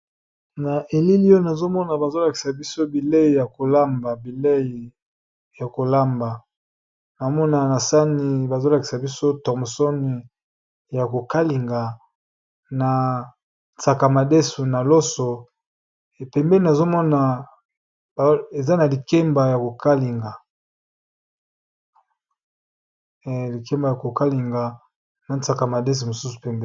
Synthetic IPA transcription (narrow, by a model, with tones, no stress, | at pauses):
na˨ʔe˨li˦li˦o˦na˨zo˦mɔ˦na˨ba˨zo˦la˨ki̥˨sa˨bi˦so˦bi˨le˦i˨ja˨ko˨la˦mba˨bi˨le˦i˨ | ja˨ko˨la˦mba˨ | na˨o˦mɔ˦na˨na˨sa˦ni˨ba˨zo˦la˨ki̥˨sa˨bi˦so˦tɔ˨m˨so˦ni˨ | ja˨ko˨ka˦li˨ŋɡa˨ | na˨ | t͡sa˨ka˨ma˨de˦su˨na˨lɔ˦so˨ | pɛ˨mbɛ˦li˨na˨zo˦mɔ˦na˨ | be˨za˦na˨li˨kɛ˦mba˨ja˨ko˨ka˦li˨ŋɡa˨ | li˨kɛ˦mba˨ja˨ko˨ka˦li˨ŋɡa˨ | na˨nta˨ka˨ma˨de˦s̬u˨mo˨su˦su̥˨pɛ˦mbɛ˦